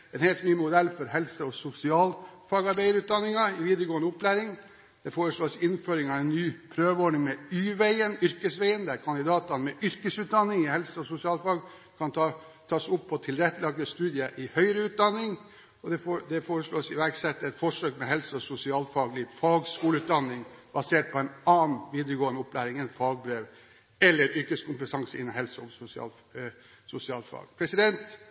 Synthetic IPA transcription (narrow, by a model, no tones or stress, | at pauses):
ɛnheːlt̪nyːmʊd̪ɛlːfɔɾhɛlsəɔsʊsɪɑːlfɑːɡɑɾbæɪəɾʉːt̪̚d̪ɑnːɪŋɑɪʋiːd̪əɾɡoːənʊpʰːlæːɾɪŋ | d̪̥ɛfoːɾəʂɭoːsɪnføːɾɪŋɑʋɛnːyːpʰɾøːʋɔɖɳɪŋmɛyːʋæɪənʏɾkəsʋæɪənd̪æɾkʰɑnɪd̪ɑːt̪ɑnmɛʔʏɾkəsʉːt̪̚d̪ɑnːɪŋhɛlsəɔsʊsɪɑːlfɑːɡ | kʰɑnɑ | t̪ʰɑːsʊpʰːɔt̪ʰɪlɾɛt̪ːəlɑɡ̚d̪əst̪ʉːd̪ɪəʔɪhœʏəɾəʉːt̪̚d̪ɑnːɪŋ | ɔd̪ɛfod̪ɛfoːɾəʂɭoːsɪʋæɾksɛt̪ːɛt̪fɔʂøːkmɛɦɛlsəɔsʊsɪɑːlfɑːɡlɪfɑːɡskuːləʉːt̪̚d̪ɑnːɪŋbɑseːʈ̚pʰɔɛɪnɑːn̩ʋiːd̪əɾəɡoːənəʊplæːɾɪŋɛnfɑːɡ̚bɾeːʋ | ɛlːəɾʏɾkəskʊmpət̪ʰɑŋsəɪ̰nːəɦɛlsɔsʊsɪɑ̰ːl | sʊsɪɑːlfɑ̰ːɡpʰɾɛsɪd̪ɛnt̪